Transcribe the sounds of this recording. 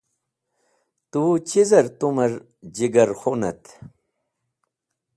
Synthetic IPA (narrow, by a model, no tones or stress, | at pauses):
t̪ut͡ɕizɐɾt̪umɐɾ | d͡ʑiɡɐɾxonɐ̰t̪